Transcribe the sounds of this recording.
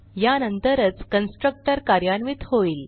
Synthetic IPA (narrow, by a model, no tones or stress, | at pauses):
janənt̪əɾət͡skənsʈɾək̚ʈəɾkaɾjanʋit̪hoiːl